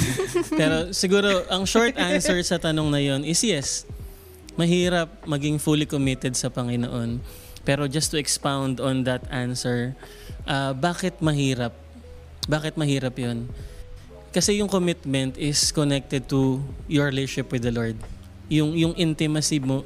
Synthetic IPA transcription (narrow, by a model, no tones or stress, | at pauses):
pɛɾo̞sɪɡuːɾo̞ʔɐŋʃoɹt̪ʔansɛɹsɐt̪ɐno̞ŋnɐjo̞nɪsjɛs | mɐɦiːɾɐp̚mɐɡɪŋfulɪkomɪt̪ɛd̪̚sɐpɐŋɪno̰ʔo̞n | pɛːɾo̞d͡ʒɐst̪ʊɛkspawnd̪ond̪ɐt̪ansɛɹ | ʔɐbaːkɪt̪̚mɐɦiːɾɐp̚ | baːkɪt̪̚mɐɦiːɾɐpjon | kɐsɛjʊŋkomɪt̪mɛnt̪ɪskonɛk̚t̪ɛd̪̚t̪ujɔɹliʃɪpwɪd̪ɐloɹd̪̚ | jʊŋjʊŋʔɪnt̪ɪmɐsɪbmo